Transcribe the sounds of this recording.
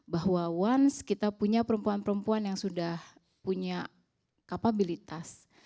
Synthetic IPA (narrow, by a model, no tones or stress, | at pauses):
baɦwawanskit̪apuɲapəɾəmpuanpəɾəmpuanjaŋsudah | puɲa | kapabilit̪as